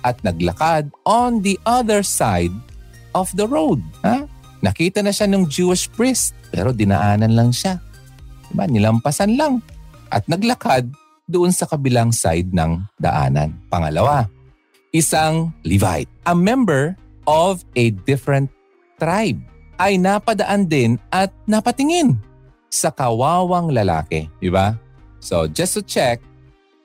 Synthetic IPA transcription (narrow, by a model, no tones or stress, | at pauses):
ʔɐt̪̚nɐɡlɐ̰kad̪̚ʔond̪iʔɐðɛɹsajd̪̚ | ʔɔfd̪ɐɹowd̪̚ha | nɐkiːt̪ɐnɐʃanʊŋd͡ʒuːɪʃpɹɪst̪̚pɛ̰ːɾo̞d̪ɪnɐ̰ʔaːnɐnlɐŋʃa | ɪmanɪlɐmpɐsanlaŋʔɐ̰t̪̚nɐɡlɐkad̪̚ː | ʊʔonsɐkɐbɪlaŋsa̰jd̪̚nɐ̰ŋd̪ɐ̰ʔa̰ːnɐ̰npɐŋɐlɐwa | ʔɪsaŋlɪva̰jt̪̚ʔɐŋmɛmbɛɹ | ʔovɛd̪ɪfɛɹɛnt̪ː | ɾajb̚ʔɐjnapɐd̪ɐʔand̪ɪnʔɐt̪̚nɐpɐt̪ɪŋɪn | sɐkɐwaːwɐŋlɐla̰ːkɛ̰d̪ɪba | sod͡ʒɛst̪ʊt͡ʃɛk̚